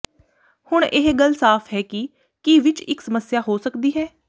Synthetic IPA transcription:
hʊɳʔɪɦɡəlsaːfʰɦɛːki | kiʋɪt͡ʃɪ̰ksəməsjaːɦoːsəkd̪iːɦɛː

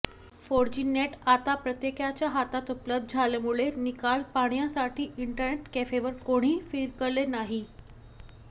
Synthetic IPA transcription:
foɾd͡ʑinjeʈat̪apɾət̪jekjat͡ɕjaɦat̪at̪upləb̚d̪̚d͡zʱalemuɭenikalpaɽ̃jasaʈiːʔiɳʈəɾneʈkefeʋəɾkoɽ̃iːfiːɾkəɾlenaɦi

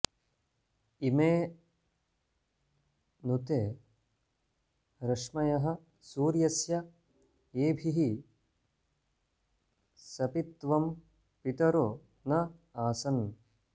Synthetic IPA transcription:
imeː | nut̪eː | ɾɐʂmɐjɐɦɐ̆ | suːɾjɐsjɐ | eːbʱiɦi | sɐpit̪ʋɐm | pit̪ɐɾoː | nɐaːsɐn

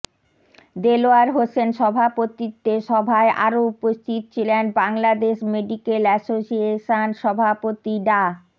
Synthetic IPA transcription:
d̪eloaɾɦosenʃɔbʱapot̪it̪ːeʃɔbʱaeʔa̰ɾoupost̪ʰit̪ot͡ɕʰilenbaŋlad̪eʃmeɖikelɛsosieʃanʃɔbʱapot̪iɖa

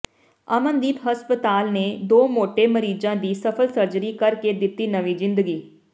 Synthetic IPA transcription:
amə̃nd̪iːt̪ɦəspət̪aːlneːd̪oːmoːʈeːməɾiːd͡ʒãːd̪iːsəpʰəlsəɾd͡ʒəɾiːkəɾked̪ɪt̪ːiːnəʋiːzɪ̃nd̪əɡiː

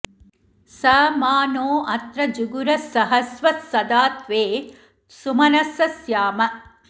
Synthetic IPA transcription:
sɐmaːnoːʔɐt̪ɾɐd͡ʒuɡuɾɐsɐɦɐsʋɐsɐd̪aːt̪ʋeː | sumɐnɐsɐsjaːmɐ

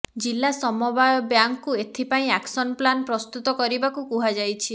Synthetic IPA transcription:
d͡ʒilːasɔmɔbajɔbjaŋkːuet̪ʰipaĩaksɔnplanpɾɔst̪ut̪ɔkɔɾibakukuɦad͡ʒajt͡ʃʰi

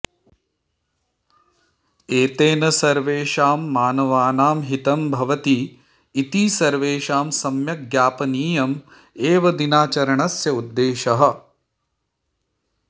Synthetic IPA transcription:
eːt̪eːnɐsɐɾʋeːʃaːmːaːnɐʋaːnaːmɦit̪ɐmbʱɐʋɐt̪iː | t̪iːsɐɾʋeːʃaːmsɐmjɐɡjaːpɐniːjɐm | eːʋɐd̪inaːt͡ʃɐɾɐɳɐsjɐud̪ːeːʃɐɦɐ̆

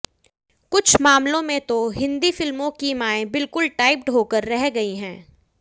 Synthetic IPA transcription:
kʊt͡ʃʰmaːmlõmẽt̪oɦɪ̃nd̪ifɪlmõkimaːẽbɪlkʊlʈaːɪp̚ʈɦoːkəɾːɛɦɡɐiɦɛ̰̃ː

